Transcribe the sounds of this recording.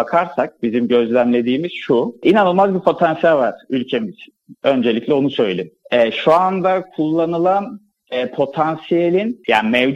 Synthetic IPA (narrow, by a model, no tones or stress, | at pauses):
bakʰaɾsak̚bizimɟø̞zlʲæmlʲe̞d̪iːmiz̥ʃuinanɯlˠmazbiɾpʰo̞t̪ʰansijalʲvaɾ̥ylʲcʰemit͡ʃʰi̥nø̞nd͡ʒe̞lʲiclʲɛo̞nusø̞jelʲimɛːʃuand̪akʰulˠːanɯlˠan | ɛːpʰo̞t̪ʰansijelʲinjaːmɛvd͡ʒ